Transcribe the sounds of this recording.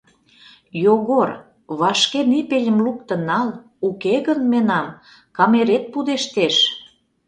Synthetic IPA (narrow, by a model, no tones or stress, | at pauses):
joɣor | βɑʃkenipelʲə̆mluk̚t̪ə̆nɑl | ukeɣənmenɑm | kɑmeɾet̪̚pud̪eʃt̪eʃ